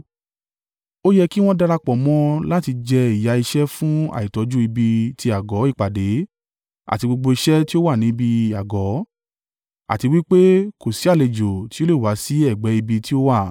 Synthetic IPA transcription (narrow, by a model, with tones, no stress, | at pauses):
o˦jɛ˧ki˦w̃ɔ̃˦da˧ɾa˧k͡pɔ˨mɔ̃˦la˦ti˧d͡ʒɛ˧i˨ja˨˦i˧ʃɛ˦fũ˦a̰˨i˨tɔ˨˧˦d͡ʒu˦i˧bi˧ti˧a˨ɡɔ˨˦i˦˨k͡pa˨de˨˦ | a̰˨ti˧ɡ͡bo˧ɡ͡bo˧i˧ʃɛ˦ti˦o˦wa˦˨nĩ˨˦bi˧a˨ɡɔ˨˦ | a̰˨ti˧wi˦k͡pe˦ko˨si˨˦a˦˨le˨d͡ʒo˨ti˦o˦le˦˨wa˨˦si˨˦ɛ˦˨ɡ͡bɛ˨˦i˧bi˧ti˦o˦wa˦˨